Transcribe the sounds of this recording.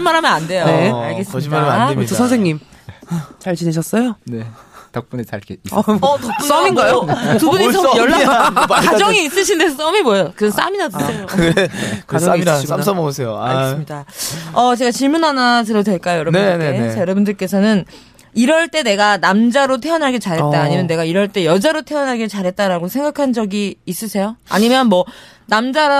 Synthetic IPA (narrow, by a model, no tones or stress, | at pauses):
imːaɾɦamjʌnande̞joeaɭɡe̞s͈ʌimaɾamnadeiosʰʌnsʰeŋɲim | t͡ɕaɭt͡ɕineɕ̬ʰʌs͈ʌjone̞tʌk̚p͈unet͡ɕa̰ɭkeʌtʌk̚p͈us͈ʌminɡajokɯbuɲit͡ɕʌjʌɭːakad͡ʑʌŋiis͈ɯɕʰindesʰʌs͈ʌmimojʌjokɯʌns͈a̰minatʰeo | kʌaiaisams͈ʌmʌɡosʰe̞joaɡes͈mɲidaʌt͡ɕe̞ɡat͡ɕiɭmunanas̬ʰɯɾodwe̞ɭk͈ajojʌɾʌnnesjʌɾʌbundɯɭk͈e̞sʰʌnɯn | iɾʌɭt͈e̞ne̞ɡanamd͡ʑaɾotʰe̞ʌnɦaɭɡet͡ɕaɾɦe̞t̚t͈aːɲimjʌnːe̞ɡaiɾʌɭt͈e̞jʌd͡ʑaɾotʰe̞ʌnɦaɭɡet͡ɕaɾɦe̞t̚t͈aɾaɡosʰe̞ŋɡakʰand͡ʑʌɡiːs͈ɯsʰe̞joa̰ɲimjʌnmwʌ | namd͡ʑaɾ